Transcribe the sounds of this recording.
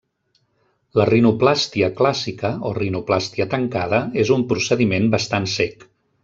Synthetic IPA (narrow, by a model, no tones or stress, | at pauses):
lərinuplast̪iəklasikəorinuplast̪iət̪əŋkaðəezumpɾusəðimenbəst̪ansɛk